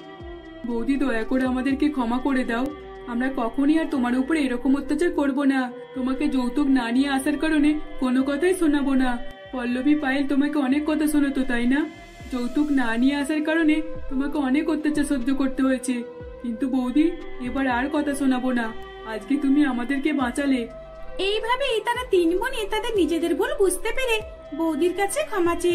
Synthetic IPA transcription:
bowd̪id̪ɔjakoɽamad̪eɾkekʰɔmakoɽed̪aw | amɾakɔkʰoniaɾt̪omaɾupɽeeɾɔkomot̪ːat͡ʃaɾkɔɾbona | t̪omaked͡ʒowt̪uknanijəasaɾkəɾonekonokɔt̪ʰajsunabonapɔlːobʱipajlt̪omakeɔnekːɔt̪ʰasunat̪ot̪ajna | d͡ʒowt̪uknanijeasaɾkaɾonet̪omakeɔnekot̪ːat͡ɕaɾsod̪ʱːokoɾt̪eɦoet͡ʃʰe | kint̪ubowd̪ʱiebaɾaɾkɔt̪ʰaʃonabona | ad͡ʑket̪umiamad̪eɾkebãt͡ɕale | ejbʱabeejt̪aɾat̪inbonet̪ad̪eɾnid͡ʑed̪eɾbolbud͡ʑʱt̪epeɾe | bowd̪iɾkat͡ɕʰekʰamat͡ɕe

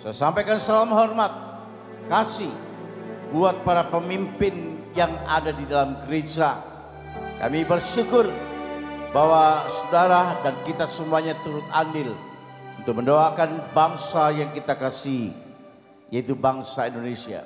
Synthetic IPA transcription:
sajasampajkansalamɦɔrmat̪̚ | kasɪh | buat̪̚paɾapəmimpɪnjaŋa̰dadidalamɡəɾed͡ʒa | ka̰mibərʃukʊr | bawasədaɾahdankit̪asəmuaɲat̪uɾʊt̪̚andɪl | unt̪ʊk̚məndoakanbaŋsajaŋkit̪akasiɦi | jait̪ubaŋsaindonesia̰

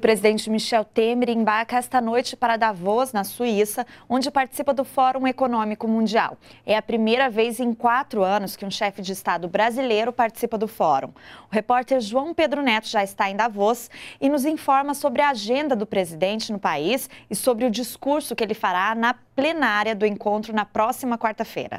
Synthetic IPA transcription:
ʊpɾezid̪ẽnt͡ʃɪmiʃɛwt̪emɪɾẽbaɾkɐɛst̪ɐnojt͡ʃɪpaɾɐd̪avɔznɐsuisɐõd͡ʒɪpaɾt͡ʃɪ̥sipɐd̪ʊfɔɾũekonõmikʊmũd͡ʒia̰wɛɐpɾimejɾɐvejzẽj̃kwat̪ɾʊɐ̃nʊskɪũʃɛfɪd͡ʒɪːst̪ad̪ʊbɾazilejɾʊpaɾt͡ʃɪ̥sipɐd̪ʊfɔɾṵ̃ʊɦepɔɾt̪ɛɾʒuɐ̃w̃ped̪ɾʊnɛt̪ʊʒaɪst̪aẽj̃d̪avɔsɪnʊzĩfɔɾmɐsobɾɪɐaʒẽnd̪ɐd̪ʊpɾezid̪ẽnt͡ʃɪnʊpaisɪsobɾɪʊd͡ʒiskuɾsʊkɪelɪfaɾanɐplenaɾjɐd̪ʊẽŋkõnt̪ɾʊnɐpɾɔsimɐkwaɾt̪ɐfḛjɾɐ̰

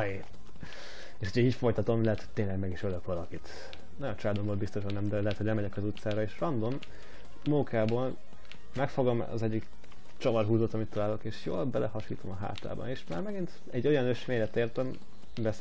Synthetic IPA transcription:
e | eːʃhuɟʰɛiːcfo̞jt̪ɒt̪o̞mlɛɦɛt̪hoc̚t̪eːɲnlɛɡmɛɡiʃøløkʋɒlɒkit̪ | nɒɟont͡ʃɒlaːd̪omboːlbist̪o̞ʃɒnːɛmd̪ɛlɛɦɛt̪ho̞ɟlɛmɛɟɛkɒzut̪saːɾɒeːʃrɒnd̪o̞mː | uːkaːboːl | mɛkfo̞ɡɒm̰ɒ̰zɛɟːik | t͡ʃɒvɒrɦuːzot̪ːɒmit̪ːɒlaːlo̞keːʃjo̰ːlbɛlɛ̰ɦɒʃḭːt̪o̞mɒɦa̰ːt̪a̰ːbɒ̰neːʃmaːrmɛɡint̪ | ɛɟːo̞jɒnøʃʋeːɲɛt̪eːrt̪ɛm | bɛs

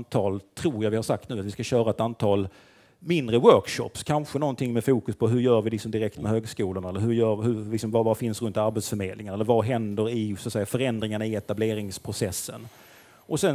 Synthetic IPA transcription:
t̪ʰɑːlt̪ʰɾuːɾjavɪhaʂak̚t̪nʉːat̪vɪskaɕœːɾaɛt̪ant̪ʰɑːl | mɪnd̪ɾəwœɾkʂɔ̰pskʰanɧənɔnt̪ʰɪŋmɛfuːkɵspʰɔɦɵɾjœːɾvɪlɪksɔmd̪ɪɾɛk̚t̪mɛɦøːɡskuːlʊɳaɛlːəɾɦɵɾjœːhɵɾlɪksɔmvavafɪnsɾɵnt̪aɾbɛt̪sfœɾmeːd̪lɪŋaɾɛlːəɾvaɦɛnd̪əɾɪswat̪sɛjːafœɾɛnd̪ɾɪŋaɳaɪɛt̪ableːɾɪŋspʰɾʊsɛsːən | ʔɔsɛn

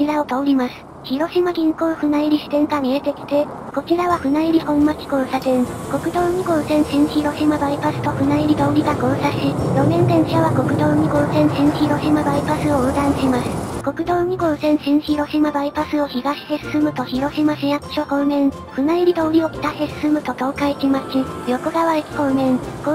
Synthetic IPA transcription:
iɾaot̪oɾʲimasɨ̥ | çiɾo̞ɕimaɡʲĩŋkoːɸɯ̟naiɾʲiɕi̥t̪ẽ̞ŋkaɲ̟iet̪e̞kʲi̥t̪e̞ | ko̞kʲiɾaβaɸɯ̟naiɾʲihõ̞mmakʲi̥ko̞ːsat̪ẽ̞ŋko̞kɯ̟d̪oːɲ̟iɡoːsẽ̞ɰ̃ɕĩɰ̃çiɾo̞ɕimabaipasɨ̥t̪o̞ɸɯ̟naiɾʲid̪o̞ːɾʲiɡaɡõ̞ɰsaɕijo̞nẽ̞nd̪ẽ̞ɰ̃ɕaβako̞kɯ̟d̪o̞ːɲ̟iɡõ̞ːsẽ̞ɰ̃ɕĩɰ̃çiɾo̞ɕimabaipasɨooːd̪ãɰ̃ɕimasɨ̥ko̞kɯ̟d̪o̞ːɲ̟iɡõ̞ːsẽ̞ɰ̃ɕĩɰ̃çiɾo̞ɕimabaipasɨoçiɡaɕi̥hesɨ̥sɨmɯ̟t̪o̞çiɾo̞ɕimaɕijaɯ̥ɕokõnẽɴ | ɸɯ̟naiɾʲid̪oːɾʲiokʲi̥t̪ahesɨ̥sɨmɯ̟t̪o̞t̪o̞ːkaikimat͡ɕijo̞koɡaβaekʲi̥konẽ̞ŋko

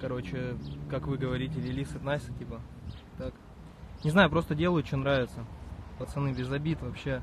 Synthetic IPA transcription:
kɐɾo̞t͡ɕɪkakvɨɡəvɐɾʲitʲɪlʲɪlʲisɨt̪nasʲɨ̥tʲipə | t̪ak | nʲɪznajʊpɾo̞st̪ədʲe̞lˠəjʊt͡ɕonɾavʲɪt̪səpɐt̪sɨnɨbʲɪzɐbʲit̪vɐpɕːe

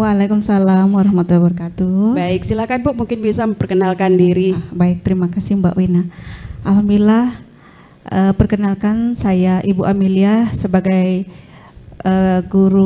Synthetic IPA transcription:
walakumsalamwaɾahamat̪ulabərəkat̪ubaɪk̚silahkanbɔʔ̚muŋkɪnbisaməmpərkənalkandiɾibaɪk̚t̪əɾimakasimba̰ʔwinaʔalɦamdulah | ʔəpərkənalkansajaʔibuʔamiliasəbaɡaj | əɡuɾu

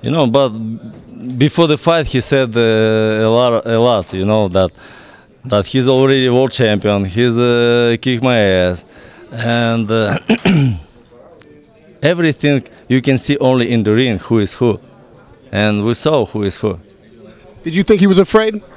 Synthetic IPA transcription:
jɨ̰noʊbʌt̚ | bɨfɔɹðəfaɪt̚hisɛdəlɔɾəlɔtjɨnoʊðæt̪̚ | ðæt̚hizɔl̩ˠɹɛɾiwo˞lˠd̚t͡ʃʰæ̃mpiə̃nhizkɪkmaɪɛzɨ̃nd | ɛvɹiθɪ̃ŋ | jɨkɨ̃nsiʔõʊ̃nliɪ̃ndəɹĩnhuɪz̥hu | ʔɨ̃nwisohuɪz̥hu | d̥ɨd͡ʒɨθɪ̃ŋkhiwʌzəfɹeɪd̥̚

